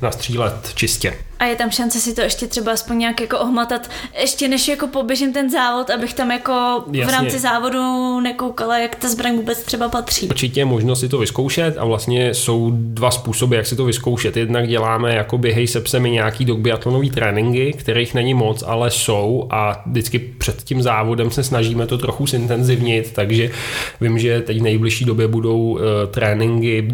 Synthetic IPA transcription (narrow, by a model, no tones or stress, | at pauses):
nast̪r̝̥iːlɛt̪t͡ʃɪscɛʔajɛt̪amʃant͡sɛsɪt̪oɛʃcɛt̪r̥ɛbaaspoɲɲaːkjako̞ʔoɦmat̪at̪ʔɛʃcɛnɛʃjako̞po̞bjɛʒɪmt̪ɛnzaːvo̞t̪abɪxt̪amjako̞jvɾaːmt͡sɪzaːvo̞dunɛkowkalajakt̪azbɾaɲvuːbɛt͡st̪r̥ɛbapat̪r̝̥iːɾt͡ʃɪcɛjɛmo̞ʒnosɪt̪̬ovɪskowʃɛt̪a̰vlast̪ɲɛso̞wdvaspuːso̞bɪjaksɪt̪o̞vɪsko̞wʃɛt̪jɛdnaɡɟɛlaːmɛjako̞bjɛɦɛjsɛpsɛmɪɲaːkiːdo̞ɡ̚bɪat̪lono̞viːt̪ɾʔɛːnɪŋɡɪkt̪ɛɾejxnɛɲɪmo̞t͡sa̰lɛso̞wʔadɪt͡skɪpr̝̥ɛt̪cɪmzaːvo̞dɛmsɛsnaʒiːmɛt̪ot̪ɾo̞xusɪnt̪ɛnzɪvɲɪt̪ːaɡʒɛvɪmʒɛt̪ɛcvnɛjblɪʃiːdo̞bjɛbudo̞wt̪ɾɛːnɪŋɡɪ